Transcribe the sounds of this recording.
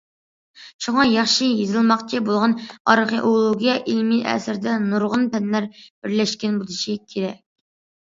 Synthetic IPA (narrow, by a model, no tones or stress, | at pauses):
ʃuŋɑjɑχʃijezɨlˠmɑqt͡ʃʰibolˠʁɑnɑɾχeʔolˠoɡʲijɛʔilmiʔɛ̰sɪɾd̪ɛnuɾʁʊnpɛnlæɾb̥ɪɾlɛʃkʲɛnbulˠɨʃikʲʰeɾɛk̚ʲ